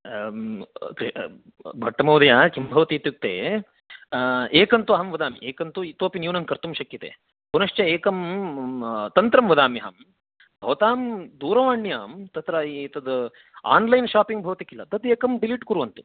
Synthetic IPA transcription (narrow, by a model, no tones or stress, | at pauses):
k | bʱɐʈːɐmɐwd̪ɐjaːkimbʱɐʋɐt̪iːt̪juk̚t̪ḛː | eːkɐnt̪uɐɦɐmʋɐd̪aːmḭʔeːkɐnt̪uit̪oːpinjuːnɐŋkɐɾt̪umʃɐkːit̪ḛː | kunɐʂt͡ʃɐeːkɐm | t̪ɐnt̪ɾɐmʋɐd̪aːmiɦa̰ːm | bʱɐʋɐt̪aːmd̪uːɾɐʋaːɳːijaːmt̪ɐt̪ɾɐit̪ɐd̪ | a̰ːnlɐjnʃaːpiŋɡbʱɐʋɐt̪ikilːɐt̪ɐt̪eːkɐmɖiliʈkuɾuʋɐnt̪u